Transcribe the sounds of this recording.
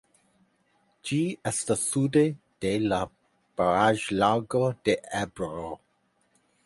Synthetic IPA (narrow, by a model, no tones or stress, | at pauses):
d͡ʒiɛstasude | d̥ela | b̥aɾaʒlaɡod̥eʔɛbɾo